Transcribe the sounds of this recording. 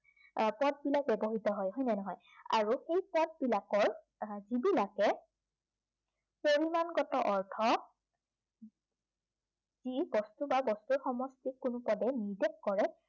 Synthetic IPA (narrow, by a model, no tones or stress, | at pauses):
pɔt̚bilak̚bɛbɔɦitɔɦɔjɦɔjnɛnɔɦɔj | a̰ɹuxejpɔd̚bilakɔɹ | zibilakɛ | poɹimanɡɔtɔʔɔɹtʰɔ | zibɔstubabɔstuɹxɔmɔstikʊnʊpɔdɛniɹdɛkkɔɹɛ